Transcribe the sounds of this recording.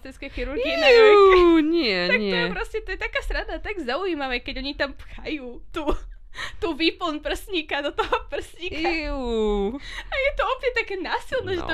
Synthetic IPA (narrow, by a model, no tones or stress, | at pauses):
t̪ɛskɛjxiɾuɾɡɡinɛ | ɲɛt̪ak̪ɔɛjɛpɾɔscɛt̪ɔjɛt̪akaːst̪ɾad̪at̪aɡzauiːmaʋɛkɛɟɔɲit̪ampxajuːt̪u | t̪uviːpl̩ˠnpr̩sɲikad̪ɔt̪ɔɦɔpr̩sɲika | ajɛt̪ɔɔpɲɛt̪akɛːnaːsilˠnɛʒɛt̪ɔ